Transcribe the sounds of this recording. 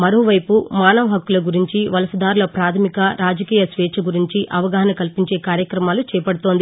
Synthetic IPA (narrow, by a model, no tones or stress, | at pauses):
mɐɾoːʋɐjpumaːnɐʋɐɦɐkːulɐɡuɾiɲt͡ʃiʋɐlɐsɐd̪aːɾulɐpɾaːt̪ʰɐmikɐɾaːd͡ʒɐkiːjɐsʋɛːt͡ʃʰɐɡuɾiɲt͡ʃiʔʔɐʋɐɡaːɦɐnɐkɐlpiɲt͡ʃe̞ːkaːɾjɐkɾɐmaːlut͡ʃɛːjɐpɐɽut̪o̞ːnd̪i